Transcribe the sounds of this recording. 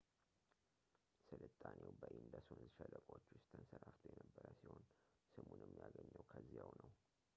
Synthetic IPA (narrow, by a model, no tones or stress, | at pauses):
sɨlɨt̪ʼːanewbəʔind̪əsonɨzɨʃələkʼot͡ʃːwʊst̪ʰɨnsəɾaft̪ʰujɛnəbːəɾəsiho̞nsɨmunɛmːijaɡəɲːəwkʰəzːijawnəw